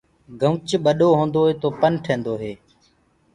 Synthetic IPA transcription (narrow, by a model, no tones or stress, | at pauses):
ɡʱəʋt͡ʃɓəɗoːɦõːnd̪oːɦeːt̪oːpənʈʰẽːnd̪oːɦeː